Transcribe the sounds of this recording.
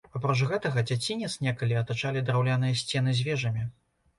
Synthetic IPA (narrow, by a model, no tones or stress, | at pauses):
papɾɔt͡ʂɣɛt̪ɐɣɐd͡zʲat͡sʲinʲɛt̪snʲɛkɐlʲiɐt̪at͡ʂalʲid̪ɾawlʲanɨjɐsʲt͡sʲɛn̪ɨzʲvʲɛʐɐmʲi